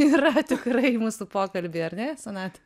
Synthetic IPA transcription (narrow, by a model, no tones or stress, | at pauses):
iːɾɐt̪ʲɪkrɐɪmuːsʊpoːkɐlʲbʲeːɐɾnʲɛsʲɛnɑːt̪ʲ